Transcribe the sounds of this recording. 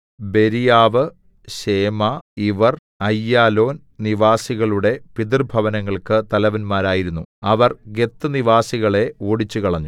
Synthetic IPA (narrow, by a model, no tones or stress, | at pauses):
be̞ɾijaːʋɨ | ɕe̞ːmaiʋɐr | ɐjːaːlo̞ːn | niʋaːsiɣɐɭuɽe̞pid̪irbʱɐʋɐnɐŋːɐɭkɨt̪ɐlɐʋɐnmaːɾaːjiɾunːuɐʋɐrɡe̞t̪ːɨniʋaːsiɣɐɭe̞oːɽit͡ɕːukɐɭɐɲːu